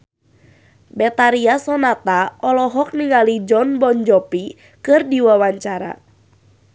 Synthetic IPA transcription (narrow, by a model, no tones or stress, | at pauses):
bɛt̪aɾiasɔnat̪aɔlɔɦɔk̚niŋalid͡ʒɔnbɔnd͡ʒɔpi | kɨrdiwawaɲt͡ʃaɾa̰